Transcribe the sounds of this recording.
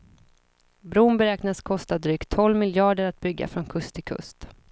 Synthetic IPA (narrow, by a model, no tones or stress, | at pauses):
bɾuːnbɛɾɛːknaskʰɔst̪ad̪ɾyːkt̪ʰːɔlːmɪljɑːɖəɾat̪̚bʏɡːa̰fɾɔnkʰɵst̪ʰːɪkʰɵ̰st̪